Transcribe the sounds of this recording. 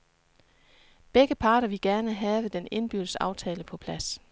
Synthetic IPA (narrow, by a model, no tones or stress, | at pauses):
b̥eɡ̥əpʰɑ̈ːɾɐʋiɡ̥æɐnəɦɛːʋəd̥ene̝nb̥yd̥əsɑ̈ʊt͡sʰɛːləpʰɒ̽pʰlæs